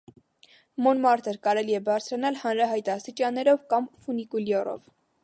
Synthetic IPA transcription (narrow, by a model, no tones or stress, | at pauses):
mɔnmɑɾt̪əɾkɑɾɛliɛbɑɾt͡sʰɾɑnɑlhɑnɾɑɦɑjt̪ɑst̪it͡ʃɑnːɛɾɔvkɑmfunikuljɔrɔ̰v